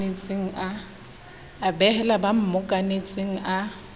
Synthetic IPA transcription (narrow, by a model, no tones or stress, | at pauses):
et͡sʼeŋ̩a | abɛhɛlabam̩mʊkʼanet͡sʼeŋ̩ʔa